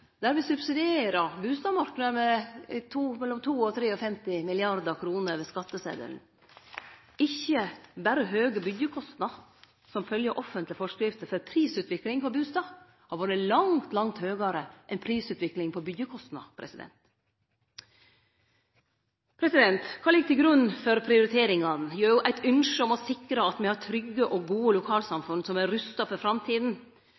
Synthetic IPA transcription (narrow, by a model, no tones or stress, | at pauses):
d̪̥æːɾʋɪsʉbsɪd̪ɪeːɾəbʉːst̪ɑːmɑɾkənəɾmɛt̪ʰuːmɛlːɔmt̪ʰuːɔt̪ʰɾeːɔfɛmt̪ɪmɪlɪɑɾd̪əkʰɾuːnəʋɛskɑt̪ːəsḛːd̪ə̰ɾn | ɪçəbæɾəɦøːɡəbʏd̪jəkʰɔst̪nɑ | sɔmfœljəʔɔfːənt̪lɪfɔʂkɾɪft̪əfœɾpʰɾiːsʉːt̪ʋɪklɪŋpʰɔbʉːst̪ɑː | hɑɾʋoːɾəlɑŋt̪lɑŋt̪høːɡɑɾəʔɛnpʰɾiːsʉːt̪ʋɪklɪŋpʰɔbʏd̪jəkʰɔst̪nɑ̰pʰɾɛ̰sɪd̪ɛ̰nt̪ | pʰɾɛsɪd̪ɛnt̪kʰɑːlɪɡt̪ʰɪlɡɾʉnːfɔɾpʰɾɪʊɾɪt̪ʰeːɾɪŋɑnjøːɾjʊʔæɪt̪ʰʏnʂɔmɔsɪkːɾəɑt̪mɛhɑʈʰɾʏɡːəʔɔɡuːəlʊkʰɑːlsɑmfʉnsɔmæɾʉst̪ɑfɔɾfɾɑmt̪ʰiːd̪n̩